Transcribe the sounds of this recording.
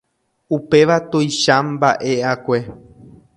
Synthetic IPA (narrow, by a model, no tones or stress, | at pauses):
upe̞ʋat̪ojʃãmbaʔe̞akʷe̞